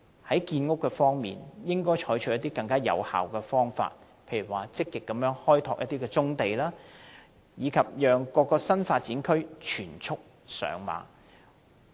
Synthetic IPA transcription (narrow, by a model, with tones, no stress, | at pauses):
hɐ˨˥jkiː˧nŋʊ˥kːɛ˧fɔː˥ŋmḭː˨njɪ˥ŋkɔː˥jt͡ʃʰɔː˨˥jt͡ʃʰɵ˨˥jɐ˥t̪iː˥kɐ˧ŋkaː˥jɐ̰˨˧wha̰ː˨˩wkɛː˧fɔː˥ŋfa̰ː˧t̚ | pʰe˧jɥy˨˩waː˨˩t͡sɪ˥kːɪ˨kːɐ˨˥mjœː˨˥ŋhɔː˥jt̪ʰɔː˧k̚ʔɐ˥t̪̚iː˥kɛ˧t͡sʊ˥ŋt̪e˨jlaː˥ | jiː˨˧kʰɐ˨p̚jœː˨ŋkɔː˧kːɔː˧sɐ˥nfaː˧t̚t͡siː˨˥nkʰɵ˥ɥt͡ʃʰyː˨˩nt͡sʰʊ˥k̚ | sœ̰ː˨˧ŋma̰ː˨˥